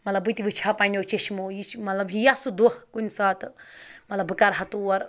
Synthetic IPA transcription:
mɐt̪lɐbut̪iʋɨt͡ʃʰapanʲot͡ʃeʃmojit͡ʃmɐt̪lɐbjijasud̪uhkunsaːt̪ʰmɐt̪lɐbɨkɐɾɦɐt̪uɐɾ

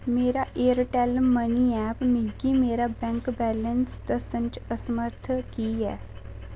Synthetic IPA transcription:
meːɾaʔeːəɾʈɛlːəniɛːpmɪ̃ɡimeːɾabɛ̃ːŋkbɛːlənst̪əsə̃nt͡ʃəsəməɾt̪ʰkiɦɛ̰ː

